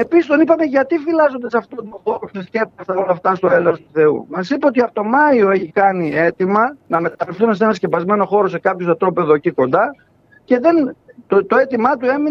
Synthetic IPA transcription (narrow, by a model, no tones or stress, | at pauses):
e̞pisist̪o̞nipɐme̞ʝɐt̪ifilɐzo̞nd̪esɐft̪ot̪moxoɾost̪isce̞pɐst̪ɐolɐft̪ɐst̪o̞e̞lest̪uθe̞ṵmɐsipɐot̪iɐft̪o̞mɐio̞e̞çikɐnie̞t̪imɐnɐme̞t̪ɐɾifθunese̞nɐsce̞pɐzme̞no̞xo̞ɾo̞se̞kɐpçosɐt̪ɾo̞pe̞ðociko̞nd̪ɐ | ce̞ðent̪ot̪o̞e̞t̪imɐt̪ue̞mi